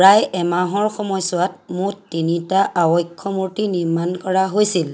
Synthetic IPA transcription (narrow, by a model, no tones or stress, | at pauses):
ɹajɛmaɦɔɹxɔmɔjsʊwat̚muttinitaʔawɔjkʰːɔmuɹtiniɹmankɔɹaɦojsil